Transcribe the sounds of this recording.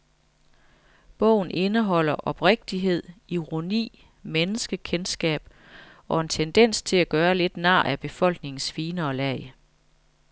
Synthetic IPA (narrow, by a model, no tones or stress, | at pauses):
b̥ɔ̽ʊ̰n̩ʔe̝nəɦɒ̽l̰ɐʔɒ̽b̥ʁeɡ̥̚d̥iɦe̝ð̞̰ˠʔiʁo̝nḭː | menəsɡ̥əkʰensɡ̥ɛ̰ːb̥ | ɒ̽e̝nt͡sʰend̥en̰st͡sʰe̝læɡ̥ɶːɐle̝d̥nɑ̰̈ːæb̥e̝fɒ̽l̰ɡ̥ne̝ŋn̩sfiːnəːlæɪ